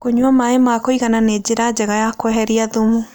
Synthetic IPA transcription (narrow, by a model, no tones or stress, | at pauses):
koɲwamaemakoiɣananed͡ʑeɾad͡ʑɛɣajakoɛɦɛɾiaðomu